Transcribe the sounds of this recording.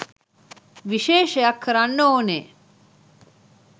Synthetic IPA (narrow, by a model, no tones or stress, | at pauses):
ʋiʃeːʃejɐkːəɾanːoːneː